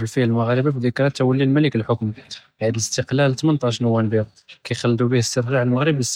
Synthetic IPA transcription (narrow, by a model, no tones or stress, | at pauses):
əlfiælməɣɾəbabd̪əkɾɑt̪ːæwəlːilmælikəlħokm | ʕəd̪ələst̪əqlælt̪mənt̪ˤɑʃnəwːænbiɾ | kæjxɑlːd̪ubihəst̪əɾˤʒaʕəlməɣɾəbəs